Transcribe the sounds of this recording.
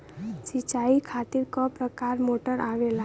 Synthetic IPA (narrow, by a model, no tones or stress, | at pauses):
sit͡ʃaikʰat̪iɾkɔpɾəkaɾmoʈəɾʔaʋela